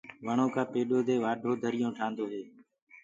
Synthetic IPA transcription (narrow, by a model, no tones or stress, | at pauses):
ʋəɳõːkʰãːpeːɗoːd̪eːʋaːɖʱoːd̪ʱəɾɪjõːʈʰãːnd̪oːɦeː